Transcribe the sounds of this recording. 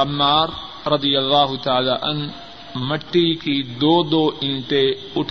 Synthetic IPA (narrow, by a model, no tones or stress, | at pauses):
ɐmːaːɾ | ɾɐd̪ijɐlːaːɦʊt̪ɐaːlaːʔɐn | mɐʈːikid̪oːd̪oːʔɪnt̪e | ʊʈʰ